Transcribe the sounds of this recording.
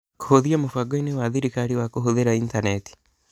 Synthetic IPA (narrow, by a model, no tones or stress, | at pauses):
ko̥hoðiamofwaɡoinewaðiɾikaɾiwakoɦoðeɾaintanɛti̥